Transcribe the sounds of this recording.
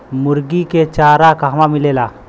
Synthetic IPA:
muɾɡiket͡ʃaɾakaɦʋamilela

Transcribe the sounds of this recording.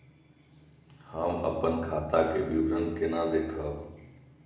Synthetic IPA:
haːmə̰pənkʰaːt̪aːkeːɓiʋɾənkeːnaːd̪eːkʰaː

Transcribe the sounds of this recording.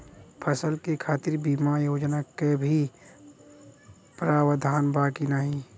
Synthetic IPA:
pʰəsəlkekʰaːt̪ɪɾbiːmajoːd͡ʒnakebʱi | pɾaːwəd̪ʱaːnbaːkinaːɦĩ

